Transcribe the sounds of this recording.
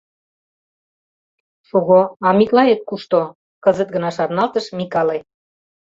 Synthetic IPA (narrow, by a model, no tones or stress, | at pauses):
ʃuɣoɑmiklɑet̪̚kuʃt̪o | kɤzə̆t̪̚ɡə̆nɑʃɑrnɑlt̪əʃmikɑle